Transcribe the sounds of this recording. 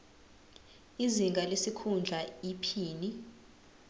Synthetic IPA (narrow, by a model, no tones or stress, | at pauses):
iziŋɡʱalesikʰund͡ɮʱaipʰiːni